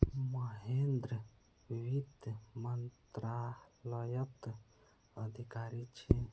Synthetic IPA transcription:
məɦend̪ɾə | wit̪mənt̪ɾaləjət̪ | əd̪ʱikaɾit͡ʃʰi

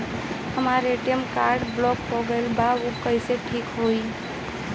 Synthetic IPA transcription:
həmaɾeʈijəmkaɾɖblɔk̚pɔɡəlbaukəɪseʈʰikɦoi

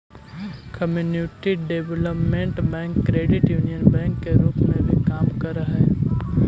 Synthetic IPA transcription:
kəmjuːnuʈiɖeʋləpmẽɳʈbɛ̃ːŋkːɾeːɖɪʈjuːnijənbɛ̃ːŋkːeɾuːpmẽbʱikaːmkəɾaɦɛː

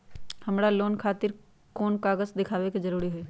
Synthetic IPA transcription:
hɐmɾaloːnkʰaːt̪ɪɾ | koːnkaːɡəzd̪ɪkʰaːʋekezɐɾuːɾiɦoeː

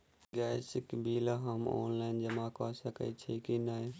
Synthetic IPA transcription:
ɡɛːsikbiːlɦəmo̰ːnlaɪnd͡ʒəmãkɔsəkə̰t͡ʃʰikinaj

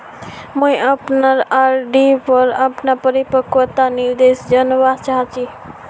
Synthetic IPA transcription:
mojəpnəɾaɾɖipəɾəpnapəɾipəkʋət̪aniɾd̪esd͡ʒənəbad̪t͡ʃaɦat͡ʃʰi

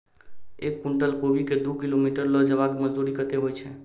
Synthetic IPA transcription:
ekːuɳʈəlkobiked̪ukilomiʈəɾləd͡ʒəbaɡməd͡ʒd̪uɾikət̪eɦojt͡ʃʰɛ

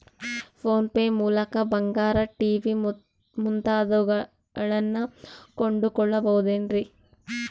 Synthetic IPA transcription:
pʰo̞ːnpeːmuːlɐkɐbɐŋɡaːɾɐʈiːʋi | mund̪aːd̪uɡɐ | ɭɐnːɐkoɳɖukɔɭːɐbɐud̪eːnɾi

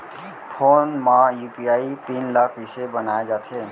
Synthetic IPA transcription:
pʰonmʌjupiaipinlʌkisebənaed͡ʒat̪ʰe

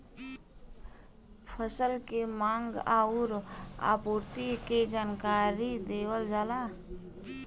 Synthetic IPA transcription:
pʰəsəlkemaŋɡa̰uɾa̰puɾt̪iked͡ʒaːnkaɾid̪ewəld͡ʒaːla

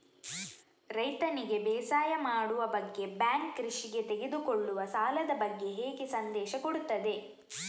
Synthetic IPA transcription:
ɾɐjt̪ɐniɡe̞bɛːsaːjɐmaːɽuʋɐbɐɡːe̞bjaːŋkːɾiʂiɡe̞t̪eɡe̞d̪ukoɭːuʋɐsaːlɐd̪ɐbɐɡːe̞ɦeːɡesɐnd̪ɛːʃɐkoɽut̪ːɐd̪e̞

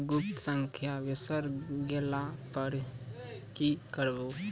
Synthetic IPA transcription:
ɡup̚t̪sə̃ŋkʰjaʋɪsəɾɡelapəɾ | kikəɾbo

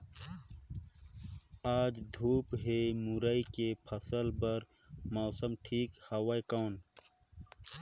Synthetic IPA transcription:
aːd͡ʒd̪ʱuːpɦemuɾaikepʰɐsəlbɐɾ | moːsəmʈʰiːkhɐwajkaːn

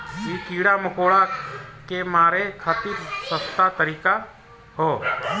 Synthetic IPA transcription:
kikiːɽamʊkoːɭakemaːɾekʰət̪isəst̪at̪əɾiːka | ɦoː

